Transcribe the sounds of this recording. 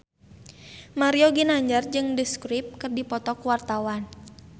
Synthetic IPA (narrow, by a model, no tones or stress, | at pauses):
maɾioɡinaɲd͡ʒard͡ʒɨŋdəskɾip̚kɨrdipɔt̪ɔkuwart̪awan